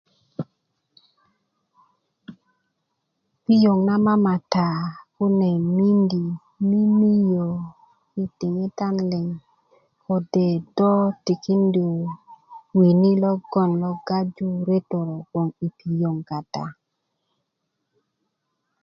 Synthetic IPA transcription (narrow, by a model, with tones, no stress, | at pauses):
pi˦jo˨ŋna˦ma˦ma˨ta˨kʊ˦nɛ˨mi˦ndi˨ | mi˦mi˦jo˨ | i˦tɪ˨ŋe˦ta˦nlɪ˨ŋ | ko˨de˨dɔ˦ti˨ki˦ndi˨ | wi˨ni˦lɔ˦ɡɔ˦˨nlɔ˦ɡa˦d͡ʒu˦ɾe˦to˨ɾo˨kwo˨ŋi˨pi˨jo˨ŋka˨ta̰˨